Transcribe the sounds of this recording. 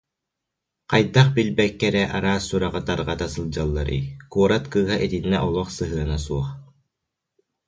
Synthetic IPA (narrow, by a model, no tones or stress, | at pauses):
qajd̪aχbilbɛkːɛɾɛʔaɾaːsːuɾaʁɯt̪aɾʁat̪asɯlˠd͡ʑalˠːaɾɯ̰jkuɔɾat̪kɯːɦaʔɛt̪inːɛʔɔlˠɔχsɯɦɯɐnasuɔχ